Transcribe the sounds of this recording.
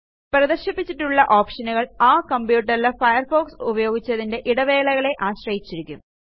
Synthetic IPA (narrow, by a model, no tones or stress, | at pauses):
prɐðɐrɕɐpːit͡ɕːiʈːuɭːɐʔo̞ːpʂɐnuɣɐɭaːkɐmbjuːʈːɐrilɐfɐjɐrfo̞ːksubɐjo̞ːɡit͡ɕːɐðinde̞ʔiɽɐʋe̞ːɭɐɣɐɭe̞ʔaːɕrɐjit͡ɕːiɾikʲːum